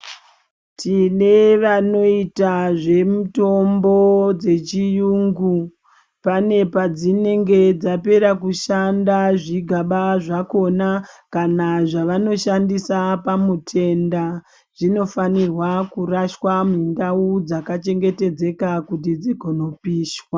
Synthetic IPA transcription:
tʰine̞ʋano̞itaʐe̞muto̞mbo̞d͡ze̞t͡ʃijuːŋɡu | pane̞pad͡zine̞ŋɡe̞d͡zape̞ɾakuʃandaʐiɡʱaɓaʐako̞nakanaʐaʋano̞ʃandisapamutʰe̞nda | ʐ̥ino̞fanirwakuraʃwamindaud͡zakat͡ʃe̞ŋɡe̞te̞d͡ze̞kakut̬id͡ziɡʱono̞piːʃwa

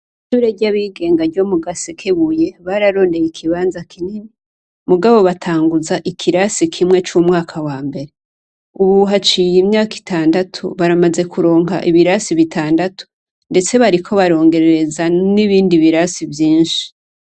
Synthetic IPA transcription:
iʃuɾeɟaβiːɡe̞ːŋɡaɾɟo̞muɡasekʰeβuje̞βaɾaɾo̞ːnde̞jikʰiβaːnzakʰinini | muɡaβo̞βatʰaːŋɡuzaʔikʰiɾasikʰimŋe̞t͡ʃumŋaːkʰawaːmbe̞ɾe | uβuɦat͡ʃijimɲaːki̥tʰaːndatʰṵβaɾamaze̞kʰuɾo̞ːŋɦa̰ʔiβiɾasiβitʰaːndatu̥ | nde̞t͡se̞βaɾikʰo̞βaɾo̞ːŋɡe̞ɾeɾe̞zaniβiːndiβiɾasivjiːnʃi̥

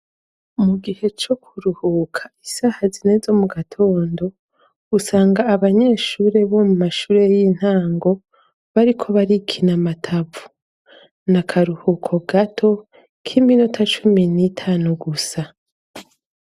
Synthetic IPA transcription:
muɡihe̞t͡ʃo̞kʰuɾuhuːkʰḁisahazine̞zo̞muɡatʰo̞ːndo̞ | usaːŋɡaːβaɲe̞ːʃuːɾe̞βo̞mumaʃuːɾe̞jin̥haːŋɡo̞ | βaɾikʰo̞βaɾikʰinamatʰavu̥ | nakʰaɾuhuːkʰo̞ɡatʰo̞ | kʰiminutʰat͡ʃuminitʰaːnuɡusa

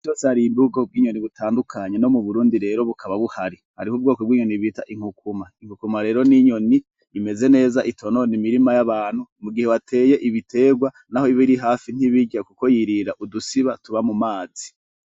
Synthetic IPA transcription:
t͡ʃoːsehaɾimbuɡo̞b̚ɡiːɲo̞niβutʰaːndukʰaɲeno̞muβuɾuːndiɾe̞ːɾo̞βukʰaβaβuhaɾihaɾihub̚ɡo̞ːkob̚ɡiːɲo̞niβita̰ʔiŋ̥hukumaiŋ̥ukumaɾe̞ːɾo̞niɲo̞niː | me̞ze̞ne̞ːzaʔitʰo̞no̞nimiɾimajaβaːn̥humuɡiheβatʰe̞ːje̞ʔiβitʰe̞ːɡwa | naho̞iβiɾiɦaːfin̥iβiɟakuko̞jiɾiɾaʔudusiβatuβamumaːzi̥

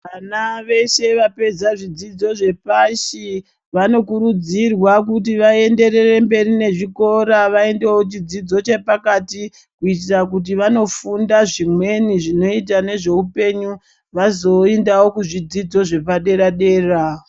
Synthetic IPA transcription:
ʋanaʋe̞ʃe̞ʋape̞d͡zaʐid͡zid͡zo̞ʐe̞paʃi | ʋano̞kuɾud͡zirwak̬ut̬iʋae̞nde̞ɾe̞re̞mbe̞ɾine̞ʐiko̞ɾaʋae̞nde̞wot͡ʃid͡zid͡zo̞t͡ʃe̞pakati | kuit̬irak̬ut̬iʋano̞fundaʐimwe̞niʐino̞it̬ane̞ʐe̞upe̞ɲu | ʋazo̞endawo̞kuʐid͡zid͡zo̞ʐe̞paɗe̞ɾaɗe̞ːra

